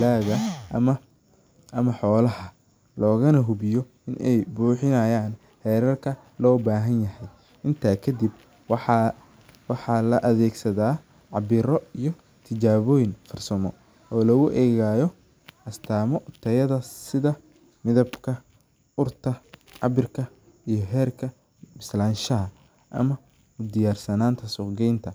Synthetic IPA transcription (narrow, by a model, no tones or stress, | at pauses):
laːɣɐmɐ | ʔɐmɐħɔːlɐhɐ | lɔːɣɐnɐɦʊβɪjɔ | ɪnʔɛ̰jbuːħɪnɐjaːn | hɛːɾɐrkʰɐ | lɔːbaːɦɐnjɐhɛj | ɪnt̪ʰaːkʰɐd̪ib | wħɑ | wɑħɑlɐʔɐðɛːɡsɐðaː | ʕɑbɪɾɔijɞ | t̪ʰɪt͡ʃaːβɔːjɪŋfɐrsɐmɔ | ɔːlɐɣʊʔɛːɣaːjɔ | ʔɐst̪ʰaːmɔt̪ʰɐjɐðɐsɪðɐ | mɪðɐbkʰɐ | ʊrt̪ʰɐʕɑ̰βɪrkʰɐ | ijɞɦɛːrkʰɐ | bɪslaːnʃɐɦɐ | ʔɐ̰mɐ | ʊd̪ɪjaːrsɐnaːnt̪ʰɐsʊɡɛjnt̪ʰɐ